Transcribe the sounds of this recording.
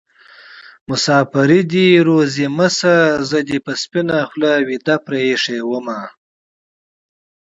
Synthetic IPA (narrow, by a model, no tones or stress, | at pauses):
mʊsɑːfaɾid̪iɾoziməsazəd̪ipəspinaxlawid̪apɾeeʂewəma